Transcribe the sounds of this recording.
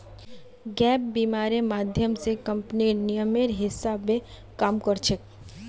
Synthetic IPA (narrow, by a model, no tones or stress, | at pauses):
ɡɛːp̚biːmaːɾemaːd̪ʱjəmsekɐ̃mpniɾnɪjəmeɾɦɪsːabe | kaːmkəɾt͡ʃʰek̚